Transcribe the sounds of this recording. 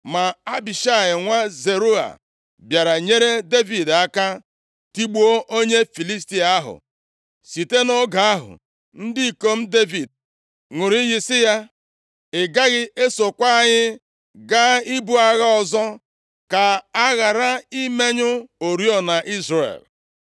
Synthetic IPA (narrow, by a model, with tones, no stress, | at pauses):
ma˨a˦bi˨ʃa˦˨ɲɪ˨ŋʷa˦ze˨ɾu˦a̰˨ | bja˨ɾa˨ɲe˦ɾe˦de˦vi˨da˦ka˦ | ti˦ɡ͡bu˦o˦ʔo˦ɲe˦fi˨li˦sti˦a˨a˦ɦʊ̰˨ | si˨te˦no˦ɡa˨a˦ɦʊ̰˨ | n̩˦dɪ˦i˨ko˦m̩˦de˦vi˨d̚ | ŋʷʊ˨ɾi˦jɪ˦sɪ˦ja˦ | ɪ˨ɡa˦ɣɪ˦e˦so˨kʷa˦˨ɲɪ˦ | ɡa˦i˦bu˦a˦ɣa˦ɔ˨zɔ˦ | ka˨a˦ɣa˨ɾa˦i˦me˦ɲʊ˦o˨ɾi˦ɔ˦na˨ʔi˦zɾa˨ḛ˨l